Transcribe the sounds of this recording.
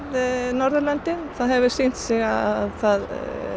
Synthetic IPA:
ðnɔɾðəɾlant̪ɪnθaðɦɛvəsɪn̥t̪sɪɣaθað

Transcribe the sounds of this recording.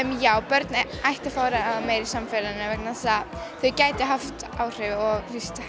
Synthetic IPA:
ɛmjaːwpœɾt̪najht̪afaːɾaːðmeːjɾisamfɛlanːʏvɛknasaθœɥcaːjt̪ɪɦaft̪aːwr̥ɪvɪɔɣɾist̪ḁ

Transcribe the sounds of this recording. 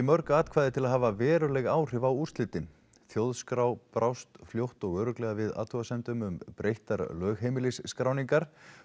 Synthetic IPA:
ɪmœɾkaːt̪kʰvaːðɪt̪ʰɪlaðɦaːvavɛːɾʏlɛɣaːwr̥ɪvawur̥st̪lɪt̪ɪn | θjowðskɾawpɾʔawst̪fljowht̪ɔɣœːɾʏklɛːɣavɪða̰ːt̪ʰɔɣasɛnt̪ʏmʏmpɾejht̪aɾlœːɣɦejmɪlɪsːkɾawniŋkaɾ̥

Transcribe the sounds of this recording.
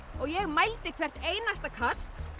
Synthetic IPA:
ɔɣjɛɣmajlt̪ɪkʰvɛr̥t̪eːjnast̪akʰast̪

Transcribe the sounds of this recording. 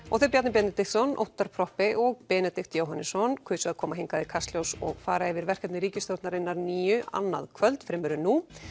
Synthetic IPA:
ɔɣθeɾpjat̪nɪpjɛt̪nɛt̪ɪxt̪sɔnʔo̰wht̪ːaɾ̥pʰɾɔhpɪʔɔɣpɛːnɛt̪ɪxt̪joːwɦanɪsɔnkʰvʏːsɛaðkʰɔːmaɦɪŋkaðɪ̥kʰast̪ljowsɔ̰ɣfaːɾaɛvɪɾvɛr̥kɛt̪nɪɾiːcɪst̪owt̪naɾɪnːaɾniːjʏʔa̰nːa̰ðkʰvœlt̪fɾɪːmʏɾʏnːu

